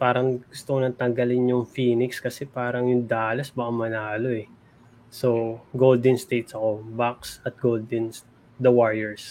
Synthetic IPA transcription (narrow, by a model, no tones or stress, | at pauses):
paːɾɐŋɡ̥ʊst̪okonɐt̪ɐŋɡɐlɪnjʊŋfiːnɪkskɐsɛpaːɾɐŋjʊŋd̪aːlɐsbɐʔɐmɐnaːlo̞ʔɛ | so̞ɡold̪ɪnst̪ejt̪sɐko̞bak̚sɐt̪̚ɡ̥old̪ɛns | d̪ɐwaɹjɛɹs